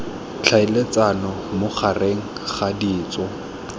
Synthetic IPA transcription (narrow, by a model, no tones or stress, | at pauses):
t͡ɬʰaɪlet͡sanɔmʊχʰareŋ̩ | χadiːt͡sɔ